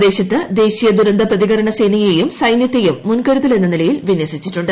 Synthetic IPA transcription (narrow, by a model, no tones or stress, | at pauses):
d̪e̞ːɕɐt̪ːɨd̪e̞ːɕijɐd̪uɾɐnd̪ɐprɐðiɣɐɾɐɳɐseːnɐjejumsɐjnjɐt̪ːejumːunkɐɾut̪ːɐle̞nːɐnilɐjilʋinjɐsit͡ɕːiʈːuɳɖɨ